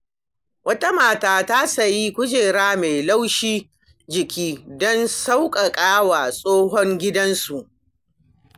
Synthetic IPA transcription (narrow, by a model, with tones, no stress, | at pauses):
wɐ˦ta˦maː˨taː˦ta˦sɐ˨ji˦kʷʊ˦d͡ʒeː˨ɽaː˦me˨jla˦wʃiː˦ | d͡ʒɪ˨kʲiː˦dɔ˦nsa˦wkʼa˨kʼaː˦wa˨sʼoː˦ɦɔ˦ŋɡʲɪ˦dɐ˦nsu˨ʔ